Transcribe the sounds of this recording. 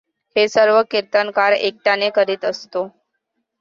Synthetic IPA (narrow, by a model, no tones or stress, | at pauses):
hesəɾʋəkiɾt̪ənkaɾḛk̚ʈanekəɾiːt̪əst̪o